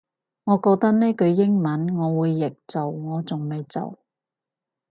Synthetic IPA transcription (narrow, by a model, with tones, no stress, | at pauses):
ŋɔː˨˧kɔː˧k̚t̪ɐ˥k̚neː˥kɵ˨˧ɥjɪ˥ŋmɐ˨˥nŋɔː˨˧wuː˨˧jːɪ˨k̚t͡so˨wŋɔː˨˧t͡sʊ˨˩ŋme˨jt͡so̰˨˩w